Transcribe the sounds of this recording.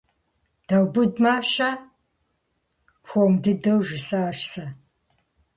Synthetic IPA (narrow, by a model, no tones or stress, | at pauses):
d̥ɐwbɨdmaːɕɐ | xʷomdɨdɐwʒɪsɐːʃsɐ